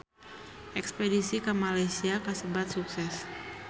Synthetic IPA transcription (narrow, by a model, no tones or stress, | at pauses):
ʔɛkspedisikəmalajsiakəsəbat̪̚suksɛs